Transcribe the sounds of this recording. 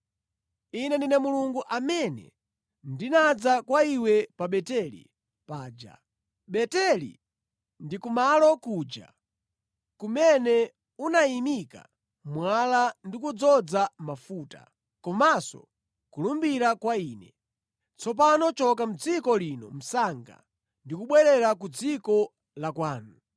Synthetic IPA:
inɛndinɛmuluŋɡuʔamɛnɛ̰ | ndinad͡zakwaiwɛpaɓɛtɛlḭ | paːd͡ʒa̰ | ɓɛtɛlḭ | ndikumalɔkuːd͡ʒa̰ | kumɛnɛ | unaimika̰ | mwalandikud͡zɔd͡zamafuːta̰ | kɔmasɔ̰ | kulumbiɾakwaiːnɛ | t͡sʰɔp̬anɔt͡ʃɔkam̩d͡zikɔlinɔ̰m̩saŋɡa̰ | ndikuɓwɛɾɛɾakud͡zikɔ | lakwaːnu

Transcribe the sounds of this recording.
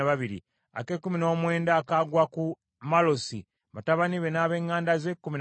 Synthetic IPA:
aβaβiɾḭ | a̰ke̞kːumino̞ːmwe̞ːndaːkaɡwaku | malo̞sḭ | βataβaniβe̞naːβe̞ːŋːaːndazekːumin

